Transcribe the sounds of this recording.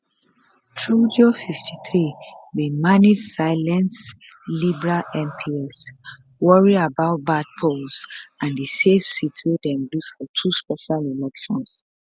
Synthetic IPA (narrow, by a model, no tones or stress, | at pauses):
tʰɹud͡ʒiofiftʰiθɹiwimanidsaɪlɛ̃ns | libɛɹalɛ̃mpʰiɛs | wɔɹiabaʊt̚bad̚pʰolsãndisefsitwedɛ̃mlusfɔtʰuspɛʃalɛlɛkʃɔ̃ns